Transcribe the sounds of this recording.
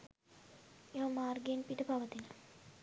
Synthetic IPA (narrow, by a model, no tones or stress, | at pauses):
eʋɐmaːrɡenpiʈəpaʋət̪inə